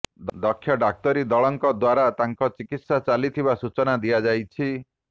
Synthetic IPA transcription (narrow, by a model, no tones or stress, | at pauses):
d̪d̪ɔkʰːjɔɖak̚t̪ɔɾid̪ɔɭɔŋkɔd̪waɾat̪aŋkɔt͡ʃikit̪sat͡ʃalit̪ʰibasut͡ʃɔnad̪iad͡ʒajt͡ʃʰi